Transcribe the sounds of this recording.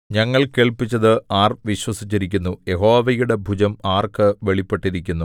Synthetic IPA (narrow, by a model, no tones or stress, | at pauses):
ɲɐŋːɐɭke̞ːɭpit͡ɕːɐðɨaːrʋiɕwɐsit͡ɕːiɾikʲːunːuje̞ɦo̞ːʋɐjuɽe̞bʱud͡ʑɐmaːrkɨʋe̞ɭipːe̞ʈːiɾikʲːunːu